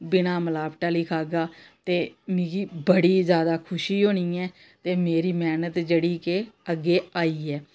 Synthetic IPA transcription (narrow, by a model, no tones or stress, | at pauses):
bɪnaːməlaːpʈaːliːkʰaːɡaːt̪eːmĩːɡiːbəɽiːzjaːd̪aːkʰʊʃiːɦoːɽ̃iːɛː | t̪eːmeːɾiːmɛːnət̪d͡ʒeɽiːkeːəɡːeːaːiːɛː